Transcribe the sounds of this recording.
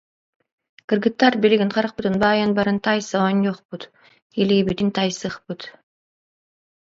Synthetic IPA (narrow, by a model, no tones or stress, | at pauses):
kɯrɡɯt̪ːɑɾbiliɡinqʰɑɾɯq̚pɯt̪ɯnbɑːjɯnbɑɾɯnt̪ʰɑjsɑwonjoqput̪ | elʲibit̪int̪ʰɑjsɯχpɯt̪